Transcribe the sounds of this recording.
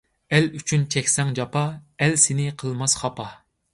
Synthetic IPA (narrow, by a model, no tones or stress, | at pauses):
ɛlyt͡ʃʰynt͡ʃʰɛkʲsɛŋd͡ʒɑpɑɛlsɪnɪqʰəlˠmɑsχɑpɑ